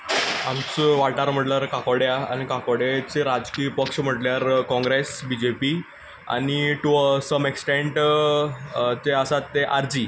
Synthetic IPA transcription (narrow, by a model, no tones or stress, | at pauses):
amt͡sʋaɭʈaɾm̤əʈljaɾkakoɽjaanikakoɽet͡seɾad͡zkiːpəkʂm̤əʈljaɾkɔ̃ŋɡɾesbid͡ʑepi | a̰ɽ̃iʈusəmeksʈeɳʈ | t̪eəsat̪ːeʔaɾd͡ʑi